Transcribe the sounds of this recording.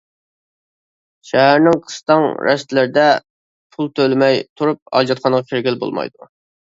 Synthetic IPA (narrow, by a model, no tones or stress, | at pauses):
ʃæɦæɾnɪŋqʰə̥st̪ɑŋɾʔɛst̪lɪɾd̪ɛ | pʰulˠt̪ʰølmɛjt̪ʰuɾup̚ɑ̰d͡ʒɑt̪χʰɑnəʁɑkʲʰeɾɡʲɪlbo̰lˠmɑ̰jd̪u